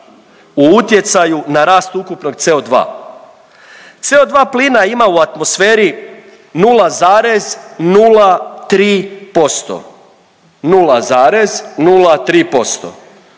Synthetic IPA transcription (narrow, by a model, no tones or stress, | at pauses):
uut̪je̞t̪sajunaɾaːst̪ukupno̞ɡ̚t̪seod̪ʋa̰ː | t̪se̞od̪ʋaːpliːnaimauat̪mo̞sfeːɾi | nuːlazaːɾe̞znuːlat̪ɾiːpo̞st̪o̰ | nuːlazaːɾe̞znuːlat̪ɾiːpo̞st̪o̰